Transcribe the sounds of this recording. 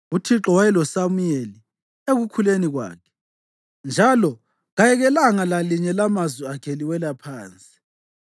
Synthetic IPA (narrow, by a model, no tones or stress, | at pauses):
utʰiǁɔwajɛlɔsamujeli | eɣukʰuleniɣwa̰ːkʰɛ̥ | nd͡ʒʱalɔ | ɣajɛɣɛlaŋalaliɲɛlamazwiakʰeliwɛlapʰaːnt͡sʼi̥